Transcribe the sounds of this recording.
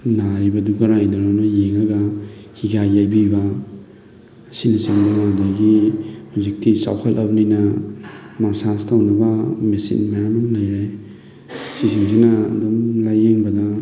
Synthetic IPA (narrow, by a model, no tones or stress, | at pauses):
naɾibɐduɡɐɾajdɐɾanɐjeŋɐɡahiɡajːajbibɐ | sinisiŋdaŋadaɡimzik̚tisa̰wkʰalʔabninɐ | masastawnɐbɐmesḭnmajamaŋlajɾej | sisiŋsinɐɐ̰dumlajeŋbɐdɐ